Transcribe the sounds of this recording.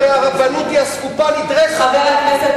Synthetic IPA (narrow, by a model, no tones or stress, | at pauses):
eaʁavanut̪iaskupalid̪ʁeʃ